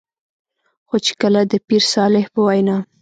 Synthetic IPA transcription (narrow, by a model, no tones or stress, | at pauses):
xot͡ʃe̥kəlad̪əpiɾsɑlɪhpəwajnɑ